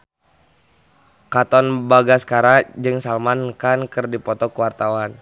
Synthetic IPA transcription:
kat̪ɔnbaɡaskaɾad͡ʒɨŋsalmankankɨrdipɔt̪ɔkəwart̪awan

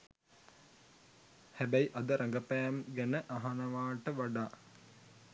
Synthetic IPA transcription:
hæbæjʔɐd̪əɾʔɐŋɡɐpæːmɡænəʔɐɦanɐʋaːʈəʋaɖaː

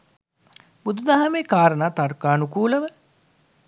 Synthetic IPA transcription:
bud̪ud̪aɦɐmeːkaːɾənaːt̪arkaːnukuːləʋə

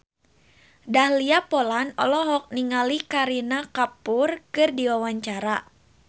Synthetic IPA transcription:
dahliapolanɔ̰lɔɦɔk̚niŋalikaɾinakapʊrkɨrdiwawaɲt͡ʃaɾa

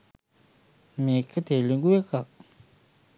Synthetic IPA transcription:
mekːət̪eliŋɡuwekak

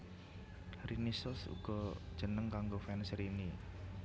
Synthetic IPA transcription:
rinisʊsṵɡ̥ɔd̥ʒ̥ə̤nəŋkaŋɡofɛnsɾini

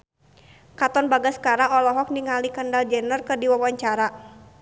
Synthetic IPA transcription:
kat̪ɔnbaɡasə̥kaɾaɔlɔɦɔk̚niŋalikəndald͡ʒɛnərkərdiwawaɲt͡ʃaɾa

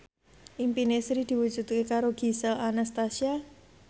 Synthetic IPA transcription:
ʔimpinesɾid̪̥i̤wu̥d͡ʒʒ̥ṳt̪̚kekaɾoɡ̥isəlanast̪asia

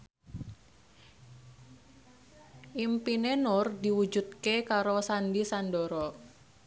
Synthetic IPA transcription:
ʔimpinenʊrdiwud͡ʒut̪̚kekaɾosandisandɔɾɔ

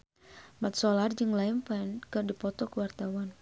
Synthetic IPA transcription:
mat̪̚sɔlard͡ʒɨŋlaimpankɨrdipɔt̪ɔkəwart̪awan

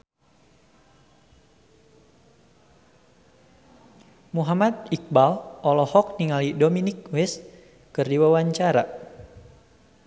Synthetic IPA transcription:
muɦamat̪̚ik̚balʔɔlɔhɔk̚niŋalidominik̚wɛs | kɨrdiwawaɲt͡ʃaɾa

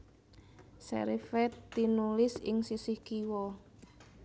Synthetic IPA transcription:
sɛ̰ɾifɛt̪ːinulɪsɪŋsisɪhkiwɔ

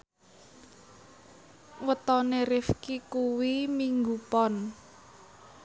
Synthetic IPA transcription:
wət̪ɔnerɪfkikuwimiŋɡupɔn

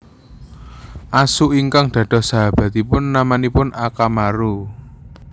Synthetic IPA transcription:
ʔasuʔiŋkaŋd̪̥ä̤ɖ̪̥ɔ̤hsaɦab̥ä̤t̪ipʊnːamanipʊnʔakamaɾu

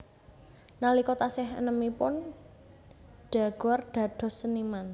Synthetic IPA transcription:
nalikot̪asɪɦə̰nəmipʊn | ɖ̥a̤ɡ̥ɔrɖ̪̥ä̤d̪̥ɔ̤səniman

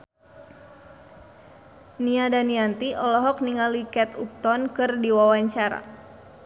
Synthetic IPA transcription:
niadaniant̪iʔɔlɔɦɔk̚niŋalikɛt̪up̚t̪ɔnkɨrdiwawaɲt͡ʃaɾa̰

